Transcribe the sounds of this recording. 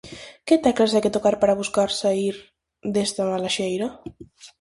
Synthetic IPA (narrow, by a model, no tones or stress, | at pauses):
ket̪ɛklasajket̪okaɾpaɾaβuskaɾsaiɾ | d̪est̪amalaʃejɾa